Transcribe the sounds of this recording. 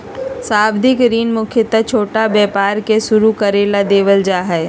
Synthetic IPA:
saːbd̪ɪkɾiːnmʊkʰjət̪at͡ʃʰoːʈabɛːpaːɾkesʊɾukəɾeːlad̪eːʋəld͡ʒaːɦɛː

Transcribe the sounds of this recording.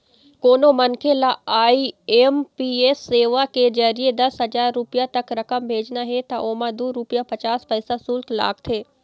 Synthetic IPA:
koːnomɐnkʰelaaːieːmpieːsːeːʋaked͡ʒɐɾied̪ɐsɦɐzaːɾːʊpɪjat̪ɐkɾɐkəmbʱeːd͡ʒnaɦet̪aʔoːmãd̪uːɾʊpɪjapɐt͡ʃaːspəɪsasuːlt̪la̰ːkt̪ʰeː

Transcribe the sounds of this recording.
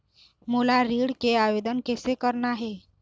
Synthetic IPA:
molaɾiːɽkeaʋed̪ənkesekəɾnaɦe

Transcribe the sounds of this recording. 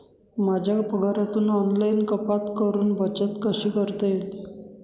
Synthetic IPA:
mad͡ʑʱjapəɡaɾat̪uːnɔnlainkəpat̪kəɾuːnbət͡sət̪kəɕiːkəɾt̪ejet̪e

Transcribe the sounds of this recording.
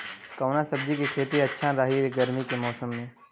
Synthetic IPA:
kɐːnasəb̚d͡ʒikekʰeːt̪iɐtːʃʰaɾaːɦieɡəɾmikemɔːsəmːẽː

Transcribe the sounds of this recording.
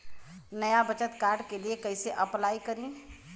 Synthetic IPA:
nɐjabɐt͡ʃət̪kaːɾɖkeliekɐiseʔɐplaːikɐɾĩ

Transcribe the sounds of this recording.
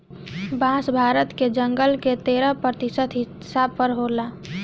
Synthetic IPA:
bʱãːsbʱaːɾət̪ked͡ʒə̃ŋɡəlket̪eːɾapɾət̪ɪsət̪ɦɪ | sab̚pəɾɦoːlaː

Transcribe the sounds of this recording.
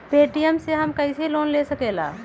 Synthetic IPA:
peːʈijəmseɦɐmkɐɪseloːnleːsəkeːla̰ː

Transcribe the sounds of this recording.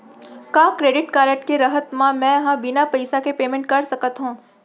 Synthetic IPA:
kaːkɾeːɖɪʈkaːɾəʈkeɾɐɦət̪mãmɛ̃ːɦãbɪnapɐɪsakepeːmẽɳʈ̚kɐɾsɐkət̪ɦũː

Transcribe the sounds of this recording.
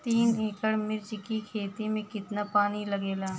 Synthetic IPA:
t̪iːnɦɪkəɽmɪɾd͡ʒkikʰeːt̪imẽkɪt̪napaːnilɐɡeːlaː

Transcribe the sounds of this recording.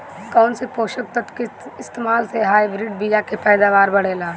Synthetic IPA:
kɔːnsepoːʃək̚t̪ət̪keɪst̪eːmaːlseɦaːibɾɪɖ̚bijakepɛːd̪aːʋaːɾbɐɽ̤eːlaː

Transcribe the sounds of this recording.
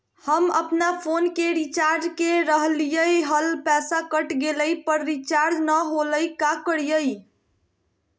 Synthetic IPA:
həməpnapʰonkeɾit͡ʃaɾd͡ʒkeɾəɦlijəjɦəlpɛsakəʈɡeləjpəɾɾit͡ʃaɾd͡ʒnəɦoləjkakəɽijəj

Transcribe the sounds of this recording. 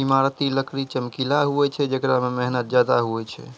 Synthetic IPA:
imaɾət̪iləkɾit͡ʃəmkilaɦuɛt͡ʃʰɛd͡ʒekɾamemɛɦnət̪̚d͡ʒjad̪aɦuɛt͡ʃʰɛ̰

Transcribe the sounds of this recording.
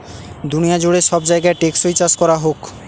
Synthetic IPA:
d̪unijad͡ʑoɽeʃɔbd͡ʑaeɡaeʈeksojt͡ɕaskɔɾaɦok

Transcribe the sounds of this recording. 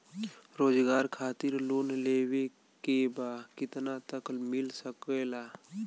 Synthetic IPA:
ɾoːd͡ʒɡaːɾkʰaːt̪ɪɾloːnleːwe | kebaːkɪt̪nat̪əklmɪlsəkelaː

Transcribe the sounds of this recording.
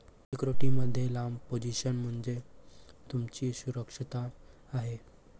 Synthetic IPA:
sekɾoʈiməd̪ʱːjelampod͡ʑiɕənm̤əɳd͡zet̪umt͡ɕiːsuɾəkʂit̪aː | ɦe

